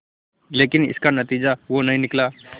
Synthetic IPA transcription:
leːkinɪ̰skanət̪iːd͡ʑaʋonaɦĩnɪkla

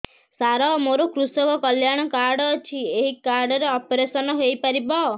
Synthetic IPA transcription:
saɾɔmoɾokɾusɔkɔkɔljaɽ̃ɔkaɾɖɔːt͡ʃʰieɦikaɾɖɔɾeɔpɔɾesɔnɔɦojpaɾibɔ

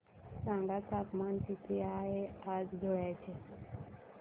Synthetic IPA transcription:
sãŋɡat̪akmant̪it̪eaɦead͡zɡʱoɭat͡ɕʰe

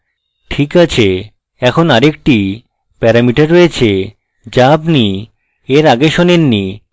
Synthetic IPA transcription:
ʈʰikat͡ɕʰe | ɛkʰonaɾek̚ʈi | pɛɾamiʈaɾːojet͡ɕʰe | d͡ʑabni | eɾaɡeʃonenːi

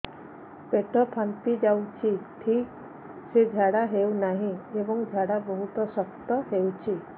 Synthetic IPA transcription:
peʈɔpʰanpid͡ʒawt͡ʃʰiʈʰik | sed͡ʒʱaɽaɦewnaɦĩebɔŋd͡ʒʱaɽabɔɦut̪ɔsɔkt̪ɔɦewt͡ʃʰi

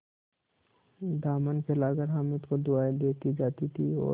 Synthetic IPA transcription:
d̪aːmənkʰelaːɡəɾɦəmʊt̪kod̪ʊaːid̪eːt̪id͡ʒaːt̪it̪ʰiɔ̰ː

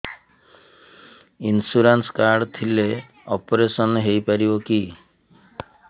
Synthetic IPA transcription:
insuɾanskaɾɖt̪ʰile | ɔpɔɾesɔnɦejpaɾiboki

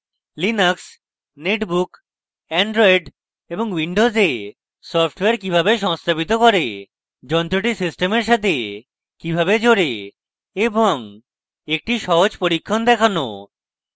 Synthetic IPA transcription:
linaks | neʈbuk | ɛɳɖɾɔjɖ | eboŋwiɳɖoze | sɔpʰʈweaɾkibʱabeʃ̬ɔŋst̪ʰabit̪okɔɾe | d͡ʑɔnt̪ɾoʈ̬isisʈemeɾʃat̪ʰe | kibʱabed͡ʑoɾe | eboŋ | ek̚ʈiʃɔɦod͡ʑpoɾikʰːand̪ɛkʰano̰

